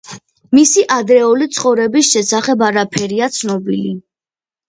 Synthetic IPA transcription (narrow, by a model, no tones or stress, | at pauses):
misiʔad̪ɾɛɔlit̪sʰχɔvɾɛbisʃɛsaχɛbaɾapʰɛɾiat̪sʰnɔbili